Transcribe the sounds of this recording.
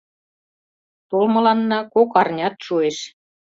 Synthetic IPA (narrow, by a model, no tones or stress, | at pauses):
t̪olmɤ̆lɑnːɑkokɑrnʲɑt̪ʃueʃ